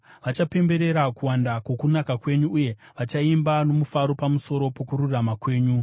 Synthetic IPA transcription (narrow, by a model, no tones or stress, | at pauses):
ʋat͡ʃape̞mbe̞ɾe̞ɾakuwandakwo̞kunakakwe̞ɲuːje̞ | ʋat͡ʃaimbano̞mufaɾo̞pamuso̞ɾo̞po̞kuɾuramakwe̞ːɲu